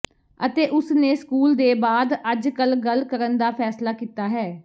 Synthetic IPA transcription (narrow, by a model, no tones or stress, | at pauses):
ə̰t̪eːʔʊsnẽːskuːld̪eːbaːd̪əd͡ʒkəlɡəlkəɾənd̪aːpʰɛːslaːkiːt̪aːɦɛː